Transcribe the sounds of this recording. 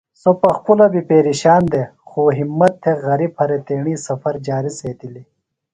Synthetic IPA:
sopɐxpulɐbipeːɾiɕaːnd̪exoɦimːɐt̪ʰːeɣɐɾib̚hɐɾet̪eːɳisɐfɐɾd͡ʒaːɾiseːt̪ili

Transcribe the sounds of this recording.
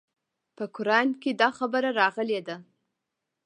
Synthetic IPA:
pəkʊɾɑnked̪ɑxabəɾaɾɑɣəled̪a

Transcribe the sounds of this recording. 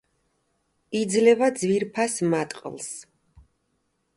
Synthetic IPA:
id̪zlɛvad̪zviɾpʰasmat̪ʼqʼlˠs

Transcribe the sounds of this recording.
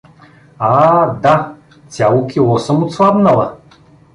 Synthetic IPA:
ad̪a | t͡s̪ʲjalˠukʲilˠɔsəmʊt̪svabnɐlˠɐ

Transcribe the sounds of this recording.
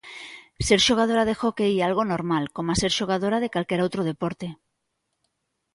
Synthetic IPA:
seɾʃoɣ̞að̞oɾaðexokejalɣonoɾmalkomaseɾʃoɣ̞að̞oɾað̞ekalkeɾowt̪ɾoð̞epoɾt̪e

